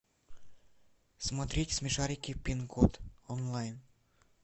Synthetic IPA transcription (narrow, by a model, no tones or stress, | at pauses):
smot̪ɾʲitʲsmʲeʃɑɾʲikʲepʲinɡot̪onlɑjn